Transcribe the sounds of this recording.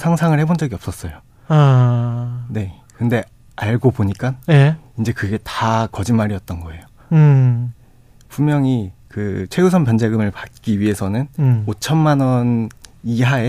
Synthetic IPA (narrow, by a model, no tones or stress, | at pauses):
sʰaŋsʰaŋɯɭhe̞bond͡ʑʌɡiʌp̚s͈ʌs͈ʌjo | ne̞ | kɯnde̞ | aɭɡopoɲik͈aneind͡ʑe̞kɯɡe̞takʌd͡ʑinmaɾiʌt̚t͈ʌnɡʌe̞jo | pʰummjʌŋikɯt͡ɕʰwe̞usʰʌnpand͡ʑeɡɯmɯɭpat̚k͈iɥiɦe̞sʰʌnɯnot͡ɕʰʌnmanʌniɦae